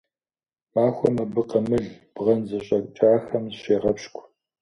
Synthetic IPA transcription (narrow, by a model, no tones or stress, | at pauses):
maːxʷɔmɐbɨqɐmɨɮb̥ʁɐnzɐɕʼɐkʷʼt͡ʃʼaːxɐmzɕeːʁɐpɕkʷʰʼ